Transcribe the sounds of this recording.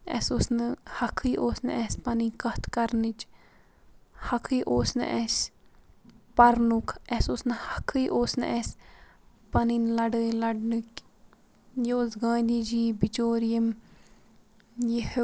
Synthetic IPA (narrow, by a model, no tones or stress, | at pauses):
ɛ̰soːsnɨhɐkʰːɨjʔoːsnɨʔɛsʲpɐnikɐht̪ʰkɐɾnɨt͡ʃ | hɐkʰɨjʔoːsnɨ̰ʔɛs | pɐɾnukʰɛsoːsnɨhɐkʰɨjʔoːsnɨʔɛsʲ | pɐninlɐɖɨjlɐɖnɨkʲ | jioːsɡãːd̪iːd͡ʒiːbit͡ʃoːɾijim | jih